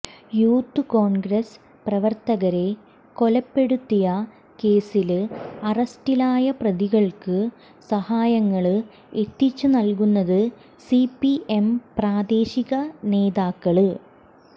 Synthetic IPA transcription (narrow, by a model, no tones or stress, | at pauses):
juːt̪ːɨko̞ːɳɡrɐs | prɐʋɐrt̪ɐɣɐɾe̞ | ko̞lɐpːe̞ɽut̪ːijɐ | ke̞ːsilɐrɐstilaːjɐprɐðiɣɐɭkɨ | sɐhaːjɐŋːɐɭɨ | e̞t̪ːit͡ɕːunɐlkunːɐðɨ | sipie̞mpraːd̪e̞ːɕiɣɐne̞ːðaːkːɐɭɨ